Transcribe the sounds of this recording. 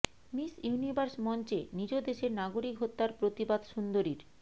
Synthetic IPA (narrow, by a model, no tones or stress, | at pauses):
misjunibʱaɾsmɔnt͡ɕenid͡ʑod̪eʃeɾnaɡoɾikɦot̪ːaɾpɾot̪ibad̪ʃund̪oɾiɾ